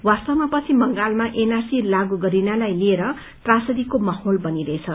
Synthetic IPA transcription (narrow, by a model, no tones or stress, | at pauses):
wast̪ʌmapʌt͡sʰimʌŋɡalmaʔenarsilaɡuɡʌɾinalajlieɾʌ | t̪rasʌd̪ikomʌholbʌniɾʌet͡sʰʌ